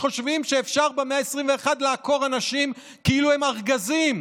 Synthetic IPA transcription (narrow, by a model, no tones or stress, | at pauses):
χo̞ʃvimʃeːfʃaʁbeme̞aesʁimveːχadleako̞ʁanaʃim | kiiluemaʁɡazim